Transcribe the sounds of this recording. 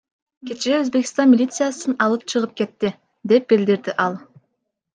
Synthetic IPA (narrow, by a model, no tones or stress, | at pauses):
kʲe̞t͡ʃeøzbe̞ki̥st̪ɑnmʲilʲit̪sɨjasɯnɑlˠɯp̚t͡ʃʰɯʁɯp̚ke̞t̪ːɪ | d̪e̞p̚bild̪iɾd̪ɪʔɑlˠ